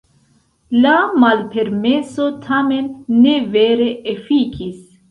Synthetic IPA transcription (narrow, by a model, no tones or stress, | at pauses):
lamalpe̞ɾme̞so̞tʰame̞nːe̞ve̞ɾe̞efikis